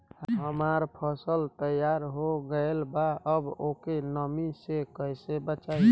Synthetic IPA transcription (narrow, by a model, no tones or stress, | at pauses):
ɦəmaɾpʰəsəlt̪əjaɾɦoɡəelbaəbokenəmisekəjsebət͡ʃa